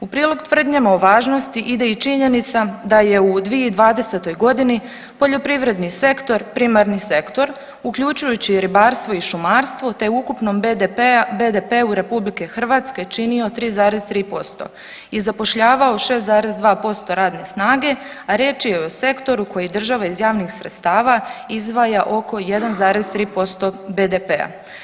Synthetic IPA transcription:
upɾiːlo̞ɡt̪ʋr̩d̪ɲamaoʋaːʒno̞st̪iʔid̪e̞it͡ʃiɲe̞nit̪sad̪aje̞ud̪ʋieid̪ʋaːd̪e̞se̞t̪o̞jɡo̞d̪ini | po̞ʎo̞pɾiʋɾe̞d̪nise̞kt̪o̞ɾpɾimaɾnise̞kt̪o̞ɾ | ukʎut͡ʃujut͡ɕiɾibaːɾst̪ʋo̞iʃumaːɾst̪ʋo̞t̪e̞uukupno̞m | bed̪epeuɾe̞publike̞xr̩ʋaːt̪ske̞t͡ʃinio̞t̪ɾiːzaːɾe̞zt̪ɾiːpo̞st̪o̞̰ | izapo̞ʃʎaːʋao̞ʃe̞ːszaːɾe̞zd̪ʋaːpo̞st̪o̞ɾaːd̪ne̞snaːɡe̞ | aɾje̞ːt͡ʃijeo̞se̞kt̪o̞ɾuko̞jid̪r̩ʒaʋaizjaːʋnixsɾet̪st̪aːʋaizd̪ʋajaʔo̞ko̞je̞d̪anzaːɾezt̪ɾiːpo̞st̪o̞bed̪epea̰

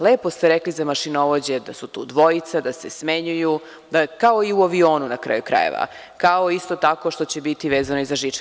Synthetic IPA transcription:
leːpost̪eɾeklizamaʃinoʋod͡ʑe̞d̪asut̪ṵːd̪ʋo̞it̪sad̪asesmeɲuju | d̪akaoiuaʋio̞ːnunakɾa̰ːjukɾa̰jḛʋa̰ | kaoist̪o̞t̪ako̞ʃt̪o̞t͡ɕe̞bit̪iʋeːzanoizaʒit͡ʃ

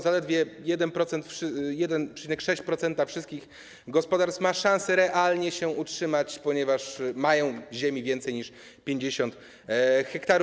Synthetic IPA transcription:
zalɛd̪vʲjɛjɛd̪ɛnpɾɔt̪sɛnt̪fʂjɛd̪ɛnpʂɛ̥t͡ɕinɛkʂɛɕt͡ɕpɾɔt̪sɛnt̪afʂɘst̪kʲix | ɡɔspɔd̪aɾst̪fmaʂãñsɛɾɛʔalɲɛɕɛʔutʂɘmat͡ɕpɔɲɛvaʂmajɔ̃w̃ʑemʲivʲjɛnt̪sɛjɲiʂ | pʲjeɲd͡ʑeɕɔnt̪ | xɛkt̪aɾ

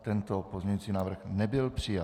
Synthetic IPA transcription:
t̪ɛnt̪opozmɲɛɲut͡siːnaːvr̩xnɛbɪlpr̥ɪja

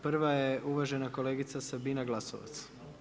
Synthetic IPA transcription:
pr̩ʋajeʔuʋaʒe̞nako̞leːɡit̪sasabinaɡlˠaso̰ʋa̰t̪s

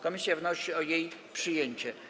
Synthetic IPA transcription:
kɔmʲisjavnɔɕiɔjejpʂɘjeɲt͡ɕɛ

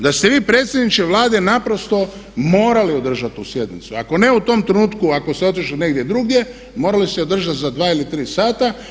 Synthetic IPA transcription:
d̪ast̪e̞ʋiːpɾe̞ːt̪sʲjed̪nit͡ʃkeʋlˠaːd̪e̞napɾo̞st̪o̞ | mo̞ːɾalio̞d̪r̩ʒat̪usje̞d̪nḭt̪sua̰ko̞ne̞ut̪o̞ːmt̪ɾenuːt̪kuako̞seo̞t̪iʃline̞ɡd̪je̞d̪ɾuɡje̞ | mo̞ːɾalist̪eo̞d̪r̩ʒat̪zad̪ʋaːilit̪ɾiːsaːt̪a

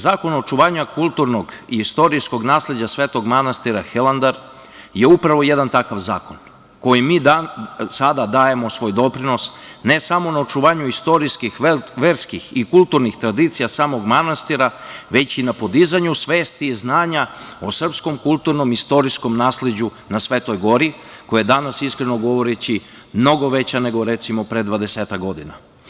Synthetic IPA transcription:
zaːko̞not͡ʃuʋaːɲakulˠt̪uɾnoɡiist̪o̞ɾisko̞ɡnaːsled͡ʑasʋeːt̪o̞ɡmanast̪iɾaxelˠand̪aɾ | je̞upɾaʋo̞je̞d̪ant̪akaʋza̰ːkon | ko̞jimiːd̪asad̪ad̪aːje̞mo̞sʋo̞ːjd̪o̞pɾino̞sne̞samo̞naot͡ʃuʋaːɲuist̪o̞ɾiskixʋeːɾskixikulˠt̪uɾnixt̪ɾad̪it̪sijasaːmo̞ɡmanast̪iɾaʋe̞t͡ɕinapo̞d̪izaɲusʋe̞ːst̪iːznaːɲao̞sr̩psko̞mkulˠt̪uɾno̞mist̪o̞ɾisko̞mnaːsled͡ʑu | nasʋe̞ːt̪o̞jɡo̞ɾi | kojajed̪anasiskɾe̞no̞ɡo̞ʋo̞ɾet͡ɕi | mno̞ɡo̞ʋe̞t͡ɕane̞ɡo̞ɾe̞t̪simo̞pɾe̞d̪ʋad̪e̞seːt̪akɡo̞d̪ina̰

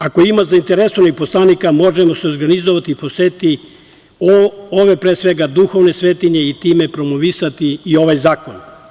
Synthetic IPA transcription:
ako̞imazaint̪e̞ɾesonixpo̞slˠanikamo̞ʒemo̞seoɾɡanizoʋat̪iːposet̪i | oʋe̞pɾesʋe̞ɡad̪uxo̞ʋne̞sʋeːt̪iɲe̞it̪ime̞pɾo̞moʋisat̪iːo̞ʋajzaːko̞n

